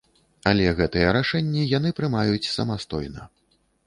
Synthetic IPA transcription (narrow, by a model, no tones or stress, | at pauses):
alʲɛɣɛt̪ɨjɛɾaʂɛnʲːɛjan̪ɨpɾɨmajut͡sʲsɐ̰mast̪ɔjnɐ